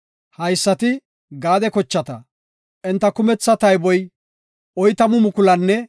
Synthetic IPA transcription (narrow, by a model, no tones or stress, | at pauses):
hɐjsːɐt̪ɪ | ɡaːd̪ɛkɔt͡ʃːɐt̪ɐ | ʔɛnt̪ːɐkʊmɛt͡sːɐt̪ɐjbɔj | ɔjt̪ɐmʊmʊkʊlɐnːɛ